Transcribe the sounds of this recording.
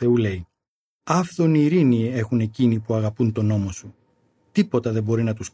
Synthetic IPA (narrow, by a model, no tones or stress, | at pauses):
θe̞ule̞i | ɐfθo̞niːɾinie̞xune̞cinipuɐɣɐpunt̪o̞no̞mo̞su | t̪ipo̞t̪ɐðe̞bo̞ɾinɐt̪us